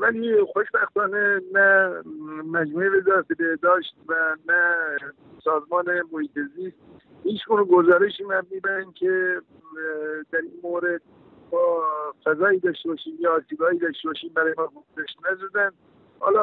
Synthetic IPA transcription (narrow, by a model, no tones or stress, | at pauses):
vælixoʃbæxt̪ɒːnenæ | mæd͡ʒmuːevezɒːɾæt̪ebehd̪ɒːʃt̪̚vænæ | sɒːzmɒːnemohiːt̪ʰeziːst̪̚ | hiːt͡ʃɡuneɡozɒːɾeʃiːmædmiːbæɾænkʲʰe | d̪æɾiːnmoɾed̪̚ | bɒːfæzɒːiːd̪ɒʃt̪ebɒːʃiːmjɒːɾsʰiɡɒːiːd̪ɒʃt̪ebɒːʃiːmbæɾɒːjemænhoɡzæʃt̪næzɔd̪æn | hɒ̰ːlɒ